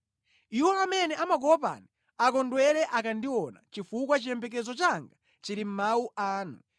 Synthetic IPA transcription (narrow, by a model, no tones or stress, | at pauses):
iwɔamɛnɛʔamaɡɔɔpa̰ni | akɔndwɛɾɛʔakandiwɔna̰t͡ʃifukwat͡ʃijɛmbɛk̬ɛzɔt͡ʃaŋɡa | t͡ʃiɾim̩mawuʔaːnu